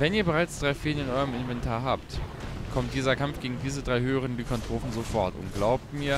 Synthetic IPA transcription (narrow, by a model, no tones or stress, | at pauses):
vɛniːɐbəʁaɪt͡sd̥ʁaɪfeːlənɪnʔɔʏʁəmɪnvɛntʰaːɐɦaːptkʰɔmt̚d̥iːzɐkʰamfɡ̥eːɡŋ̩diːzədʁaɪhøːəʁ̞əndiːkʰɔntʁ̥oːfn̩zofɔɐtʊ̰ntɡ̥laʊp̚tmiːɐ